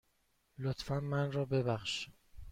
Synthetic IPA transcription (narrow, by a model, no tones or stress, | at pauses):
lot̪fænmænrɒːbe̞bæxʃ